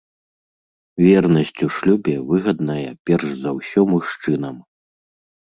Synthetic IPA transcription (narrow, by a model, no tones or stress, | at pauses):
vʲɛrnɐsʲt͡sʲuʂlʲubʲɛvɨɣɐd̪nɐjɐpʲɛrʂzɐwsʲɔmuʂt͡ʂɨnɐm